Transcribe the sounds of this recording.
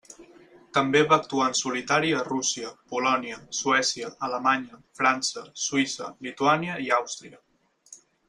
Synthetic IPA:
t̪əmbeβaːk̚t̪uansulit̪aɾiərusiəpulɔniəsuɛsiəʔːləmaɲəfɾansəswisəlit̪uaniəiawst̪ɾiə

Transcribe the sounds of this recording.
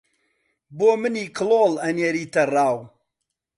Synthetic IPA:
boːmɨniːkʰɨloːlɐnjeɾiːt̪ɐraːw

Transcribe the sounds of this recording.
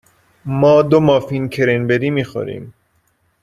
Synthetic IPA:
mɒːd̪omɒːfincʰeɾinbed̪iːmiːxo̰ɾḭːm

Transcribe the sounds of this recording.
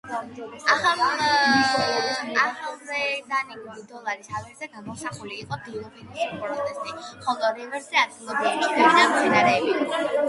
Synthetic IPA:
aχam | aχamɾɛd̪aniɡulid̪ɔlˠaɾisaviɾzɛɡamɔsaχuliːqʼɔd̪iɾɔbinusulipʼɾɔt̪ʰɛst̪ʼiχɔlˠɔɾɛvɛɾsɛad̪ilɔbulɔkɔkʰɛbid̪amsɛnaɾɛːbiɔ

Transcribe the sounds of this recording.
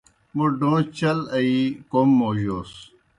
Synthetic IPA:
muɖõːt͡ɕɐlɐikomːoːʑoːs

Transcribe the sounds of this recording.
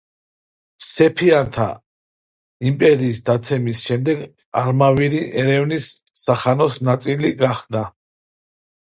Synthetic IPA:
sɛpʰiant̪ʰa̰ | impʼɛɾiːsd̪at̪sʰɛmisʃɛmd̪ɛɡ | aɾmaviɾiʔɛɾɛvnisː | aχanɔsnat̪sʼiliɡaχd̪a

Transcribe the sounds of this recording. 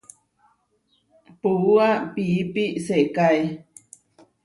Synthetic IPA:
puuapiipisekaj

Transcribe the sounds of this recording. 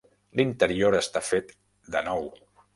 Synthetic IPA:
lint̪əɾioɾəst̪afet̪ | d̪ənɔw

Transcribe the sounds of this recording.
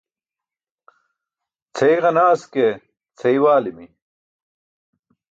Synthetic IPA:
t͡sʰɐjiʁɐnaːske | t͡sʰɐiwaːlimi

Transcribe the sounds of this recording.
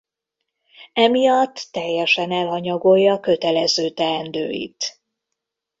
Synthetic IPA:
ɛmijɒt̪ːɛjːɛʃɛnɛlɦɒɲɒɡo̞jːɒːkø̞t̪ɛlɛzøːt̪ɛɛnd̪ø̰ːjḭt̪

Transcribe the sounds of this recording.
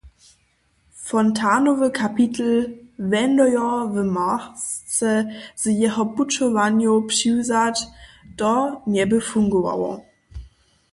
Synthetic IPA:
fɔntʰaːnovəkʰapʰitʰl̩vɛndɔjɔvəmast͡səz̥əjɛɦɐbut͡ʃovanjopʃuːzadd̥ɔnɛbəfuŋɡoa̰wɐ̰

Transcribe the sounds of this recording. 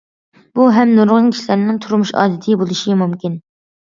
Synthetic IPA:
b̥uɦɛmnoɾʁʊŋkʲʰi̥ʃlæɾnɪŋt̪ʰuɾmuʃɑ̰ːd̪ɪt̪ʰɨbolˠuʃimumkʲin

